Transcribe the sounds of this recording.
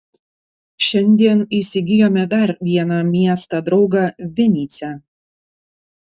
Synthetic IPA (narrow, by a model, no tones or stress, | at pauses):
ʃʲɛnʲd̪ʲiɛniˑsʲɪɡʲɪjoːmʲɛd̪ɐɾʋʲiɛnɑmʲiɛst̪ɑd̪ɾɒʊɡɑːʋʲɛnʲiːt̪sʲɛ